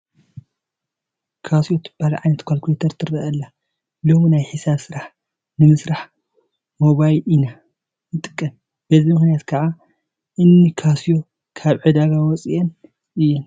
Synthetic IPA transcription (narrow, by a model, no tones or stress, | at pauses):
kʰasijot̪ʰɨb̥ːalɐʕajnɐt̪kʷʰalkʰet̪ʰɐɾt̪ʰɨrɐʔɐlːa | lominajħɨsaβsɨɾaħ | nɨmɨsɾaħ | moβajlina | nɨt̪ʼɨkʼːɐm | b̥ɐzimɨxnijat̪kʰɐʕa | ʔɨnːikʰasijo̞ | kʰaβʕɨd̪aɡawɔt͡sʼiʔɛn | ʔɨjːɛn